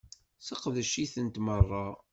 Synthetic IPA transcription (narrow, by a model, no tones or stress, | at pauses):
səqðəʃiθənt̪mərˤːɑ